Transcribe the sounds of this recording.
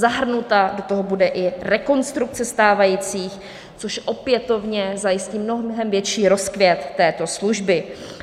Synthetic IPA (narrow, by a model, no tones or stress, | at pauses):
zaɦr̩nut̪ado̞t̪oɦobudɛʔɪrɛko̞nst̪ɾuk̚t͡sɛst̪aːvajiːt͡siːx | t͡soʃʔopjɛt̪o̞vɲɛzajɪsciːmnoɦɦɛmvjɛt͡ʃiːɾo̞skvjɛt̪ːɛːt̪o̞sluʒbɪ